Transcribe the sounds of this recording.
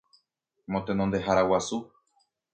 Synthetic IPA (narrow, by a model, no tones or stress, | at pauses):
mot̪enond̪e̞ɦaɾawasu